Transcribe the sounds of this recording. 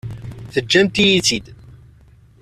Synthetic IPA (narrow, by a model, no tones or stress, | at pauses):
θəd͡ʒːæmt̪ijit͡sːid̪